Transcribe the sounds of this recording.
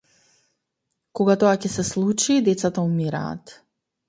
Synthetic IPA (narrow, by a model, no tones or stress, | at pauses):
koɡat̪oacɛsɛslˠut͡ʃid̪ɛt̪sat̪aumiɾa̰ːt̪